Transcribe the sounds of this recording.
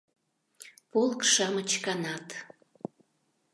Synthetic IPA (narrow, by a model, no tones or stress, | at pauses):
polˠkʃɑmət͡ɕkɑnɑt̪